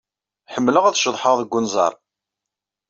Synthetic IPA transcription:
ħəmːləʁæðʃəðˤħəʁðəɡʷːʊnzˤɑ̰ɾˤ

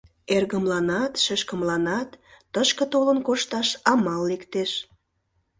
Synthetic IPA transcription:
erɣəmlɑnɑt̪ʃəʃkəmlɑnɑt̪ː | əʃkət̪olənkoʃt̪ɑʃɑmɑlːekt̪eʃ

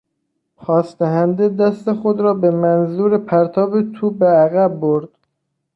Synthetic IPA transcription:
pʰɒːsd̪̥æɦænd̪ed̪æst̪e̞xod̪ɾɒːbemænzuːɾepʰæɾt̪ʰɒːbet̪ʰuːbeæɣæbːoɾd̪̥

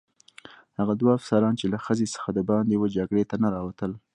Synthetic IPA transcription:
haɣad̪waafsɑɾɑnt͡ʃelaxəzesə̥xad̪əbɑnd̪ewed͡ʒaɡɽet̪anaɾɑwat̪əl

